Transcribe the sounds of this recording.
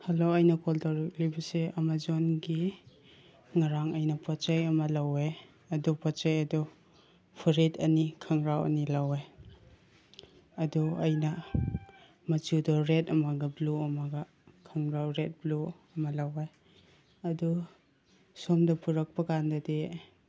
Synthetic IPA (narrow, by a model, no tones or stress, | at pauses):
hɐloɐjnɐkoltawɾɐk̚libɐseɐmazonɡi | ŋaɾaŋɐjnɐpɔt͡ʃajɐmɐlɐwej | ɐdupɔt͡ʃajɐdu | pʰuɾetɐnikʰɐŋɾawɐ̰nilawaj | ɐduɐjnɐ | mɐt͡ʃudɔɾetɐmɐɡɐbluɐmɐɡɐ | kʰɐŋɾawɾet̚bluɐmɐlawaj | ɐdu | somdɐpuɾɐk̚pɐkandɐde